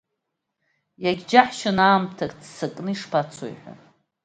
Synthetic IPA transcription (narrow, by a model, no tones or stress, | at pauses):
jaɡʲd͡ʒaħʃanaːmtʰakʼt͡ssakʼnɨiʂpʰat͡sʰo̰jħʷᶣa̰